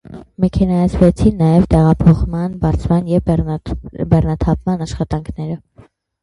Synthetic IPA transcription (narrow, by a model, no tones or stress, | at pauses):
mɛkʰɛnɑjɑt͡sʰvɛt͡sʰinːɑjɛvt̪ɛʁɑpʰɔχmɑnbɑɾt͡sʰmɑnjɛ | bɛrnɑt̪ʰɑpmɑnɑʃχɑt̪ɑŋkʰnɛɾə